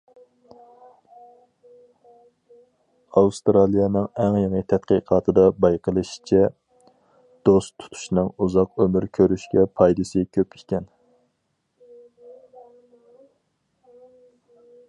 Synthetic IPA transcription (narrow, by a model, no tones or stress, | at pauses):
ɑust̪ɾɑlˠijɑnɨŋɛŋjɑŋət̪ʰɛt̪qəqʰɑːt̪ʰɨd̪ɑbɑjqʰəlˠɨʃi̥t͡ʃʰɛ | d̪̥ost̪ʰu̥t̪ʰu̥ʃnɨŋuzɑqømyɾkʲʰøɾyʃkʲɛpʰɑjd̪ɨsɨkʲʰøpikʲʰɛn